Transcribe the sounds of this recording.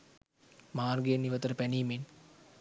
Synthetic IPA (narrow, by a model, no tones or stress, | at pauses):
maːɾɡeːnːiʋət̪əɾəpæniːmen